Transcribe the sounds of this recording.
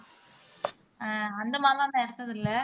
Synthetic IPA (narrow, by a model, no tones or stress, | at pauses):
aːɐnd̪ɐmaːlãːnd̪ɐɛɽɐt̪ːɐðɪlːɐ